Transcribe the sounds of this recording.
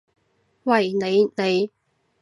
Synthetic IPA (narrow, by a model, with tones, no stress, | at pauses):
wɐ˨˩jne˨˧jne˨˧j